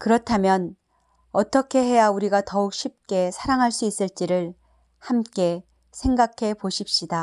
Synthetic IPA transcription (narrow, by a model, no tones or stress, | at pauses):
kɯɾʌtʰamjʌn | ʌt͈ʌkʰe̞ɦe̞jauɾiɡatʌuk̚ɕʰip̚k͈e̞sʰaɾaŋɦaɭs͈uis͈ɯɭt͡ɕ͈iɾɯɭ | hamk͈e̞ | sʰe̞ŋɡakʰe̞poɕʰip̚ɕ͈ida